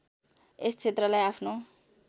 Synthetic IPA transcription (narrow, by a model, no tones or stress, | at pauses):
est͡sʰet̪rʌlajapʰno